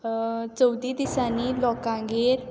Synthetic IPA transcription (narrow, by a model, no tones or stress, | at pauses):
t͡səwd̪iːd̪isaniːlɔkãŋɡeɾ